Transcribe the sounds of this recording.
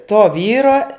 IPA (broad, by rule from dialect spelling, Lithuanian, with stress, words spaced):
toː ˈʋʲiːroː